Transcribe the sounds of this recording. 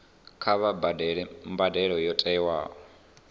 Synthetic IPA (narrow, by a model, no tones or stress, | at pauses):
kʰaβabdmbadɛɺɔjɔtʼɛiwaːkɔ